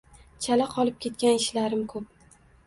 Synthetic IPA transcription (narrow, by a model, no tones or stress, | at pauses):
t͡ʃʰalaqʰɒlˠɪp̚kʲe̞t̪̚kʲanɪʃlaɾɪmkʰɵp̚